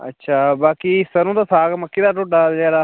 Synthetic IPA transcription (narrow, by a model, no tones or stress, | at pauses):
ə̰tːʃʰaːbaːkiːsənũːt̪aːsʰaːɡməkʰːiːd̪aːʈoːɖaːd͡ʒɛːɾaː